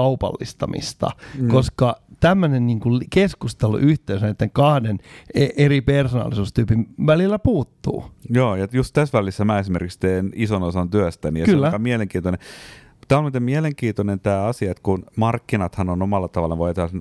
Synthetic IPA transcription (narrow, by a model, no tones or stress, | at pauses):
ɑupɑ̰lːḭst̪ɑmḭst̪ɑ̰kkoskɑt̪æmːønenniːŋkulkeskust̪elṵʔyht̪eysænet̪ːeŋkɑhdeneʔeripersonɑ̰lːˑisuːst̪yːpinʋælilːæpuːt̪ːṵːjoːjɑjust̪t̪æsʋælisːæmæesimerkikst̪eːnisonosɑnt̪yæst̪ænijɑkylːkɑmiæleŋkiːnt̪one | t̪æːolmiːt̪emieleŋkiːt̪onent̪æːɑsiɑet̪kunmɑrkːinɑt̪hɑnonomɑlːɑt̪ɑʋɑlːɑʋojɑt̪ehlɑn